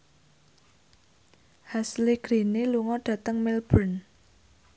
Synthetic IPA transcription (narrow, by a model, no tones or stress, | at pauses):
hasliɡ̥ɾineluŋɔɖ̥ä̤t̪əŋmilb̥ən